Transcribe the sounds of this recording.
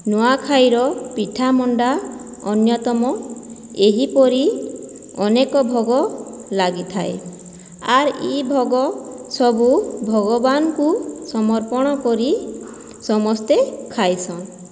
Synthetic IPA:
noakʰajɾɔpiʈʰamɔɳɖa | ɔnjɔt̪ɔmɔ | eɦipɔɾi | ɔnekɔbʱɔɡɔ | laɡit̪ʰae | aɾḭbʱɔɡɔ | sɔbubʱɔɡɔbanɔkusɔmɔɾpɔɽ̃ɔkɔɾi | sɔmɔst̪ekʰajsʰɔ̃ŋ

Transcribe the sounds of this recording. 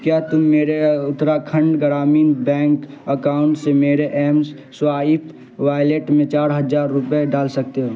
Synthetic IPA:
kjaːt̪ʊmːeːɾeʊt̪ːɾakʰə̃ɳɖɡəɾaːmiːnbɛ̃ːŋk | əkaːʊ̃ɳʈsemeːɾeʔɛːms | swaːɪp̪ʰ | ʋaːjleʈmẽt͡ʃaːɾɦəd͡ʒaːɾːʊpeɖaːlsɐk̚t̪eɦoː

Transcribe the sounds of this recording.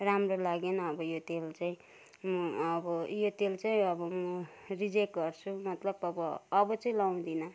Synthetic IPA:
ramrolaɡenʌːbʌjot̪elt͡saĩ | mʌʌbʌjot̪elt͡saĩʌbʌmʌrid͡zekɡʌrt͡sʰumʌt̪lʌbʌbʌːbʌt͡saĩlaw̃d̪inʌ

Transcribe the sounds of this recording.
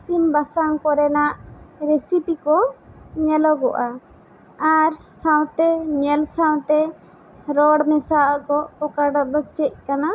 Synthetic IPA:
simbasaŋkɔɾɛnaʔɾesipikɔɲɛlɔɡɔʔa | aɾsãw̃t̪ɛɲɛlsawt̪ɛ | ɾɔɽmɛsakɔɔkaɖɔd̪ɔt͡ʃɛc̚ˀkana

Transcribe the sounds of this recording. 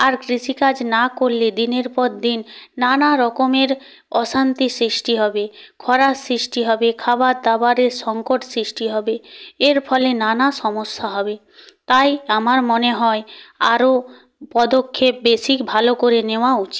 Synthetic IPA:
aɾkɾiʃikad͡ʑnakolːed̪ineɾpɔɾd̪inːanaɾɔkomeɾ | ɔʃant̪isɾisʈiɦɔbekʰɔɾasɾisʈiɦɔbekʰabaɾd̪abaɾeɾʃɔŋkoʈsɾisʈiɦɔbeeɾpʰɔlenanaʃɔmosːaɦɔbe | t̪ajamaɾmoneɦɔea̰ɾo | pɔd̪okʰːep̚besikbʱalokoɾeneoaut͡ɕi̥

